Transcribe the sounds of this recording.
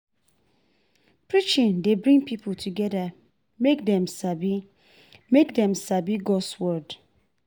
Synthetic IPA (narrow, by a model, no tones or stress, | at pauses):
pɹit͡ʃĩndebɹĩŋpipʰultʰuɡɛda | mek̚dɛ̃msabi | mekdɛ̃msabiɡɔswɔd